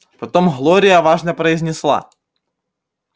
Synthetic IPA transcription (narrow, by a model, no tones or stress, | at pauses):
pɐt̪omɣlˠoɾʲɪjɐvaʐnəpɾəɪzʲnʲɪslˠa̰